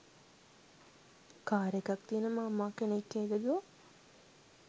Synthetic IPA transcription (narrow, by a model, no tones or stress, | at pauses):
kaːɾjekakt̪iənəmaːmaːkenekːeːɡ̪ed̪uʋa